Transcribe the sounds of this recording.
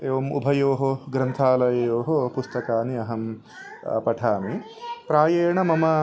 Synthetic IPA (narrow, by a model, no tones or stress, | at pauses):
eːʋɐmṵbʱɐjoːɦoɡɾɐnt̪ʰaːlɐjɐjoːɦopust̪ɐkaːniɐɦɐm | pɐʈʰaːni | pɾaːjeːɳɐmɐmɐ